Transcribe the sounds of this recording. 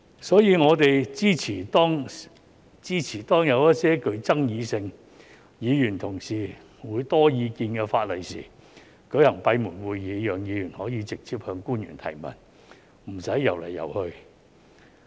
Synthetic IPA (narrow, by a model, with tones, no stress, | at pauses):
sɔː˨˥jiː˨˧ŋɔː˨˧t̪e˨jt͡siː˥t͡sʰiː˨˩t̪ɔː˥ŋ | t͡siː˥t͡sʰiː˨˩t̪ɔː˥ŋjɐ˨˧wjɐ˥t̚sɛː˥kɵ˧ɥt͡sɐ˥ŋjiː˨˧sɪ˧ŋ | jiː˨˧jyː˨˩nt̪ʰʊ˨˩ŋsiː˨˩ | wuː˨˧jt̪ɔː˥jiː˧kiː˧nkɛː˧faː˧t̚lɐ˨˩jsḭː˨˩ | kɵ˨˥ɥhɐ˨˩ŋpɐ˧jmuː˨˩nwuː˨jːiː˨˧jœː˨ŋjiː˨˧jyː˨˩nhɔː˨˥jiː˨˧t͡sɪ˨k̚t͡sʰiː˧p̚hœː˧ŋkuː˥njy̰ː˨˩nt̪ʰɐ̰˨˩jmɐ̰˨˩n | m̩˨˩sɐ˨˥jːɐ˨˩wlɐ̰˨˩jːɐ̰˨˩whɵ˧ɥ